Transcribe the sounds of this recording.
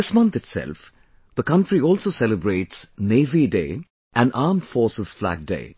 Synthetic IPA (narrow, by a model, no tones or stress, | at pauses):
ɪsmʌ̃nt̪ɪtsɛ̰lf | d̪əkʌ̃nʈɾiɔːlsoːsɛləbɾeːʈsneːʋiɖḛː | ʔæ̃naːmfɔːsəz̥flæ̰ɡ̚ɖḛː